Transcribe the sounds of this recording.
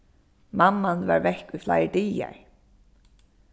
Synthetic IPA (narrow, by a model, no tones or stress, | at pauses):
mamːanva̰ɹvɛhkujfla̰jɹd̪iːa̰ɹ